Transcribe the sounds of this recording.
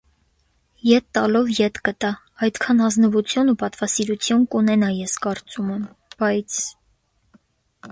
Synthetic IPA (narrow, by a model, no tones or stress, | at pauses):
jɛt̪ːɑlɔvjɛt̪kət̪ɑ | ɑjd̪kʰɑnhɑznəvut͡sʰjunupɑt̪vɑsiɾut͡sʰjunkunɛnɑjɛskɑɾt͡sumɛm | b̥ɑjt͡sʰ